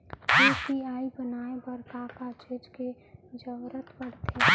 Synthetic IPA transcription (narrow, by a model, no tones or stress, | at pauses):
eːpiaːibənaːebəɾkakat͡ʃed͡ʒke | d͡ʒəʋɾət̪bəɽ̤t̪ʰe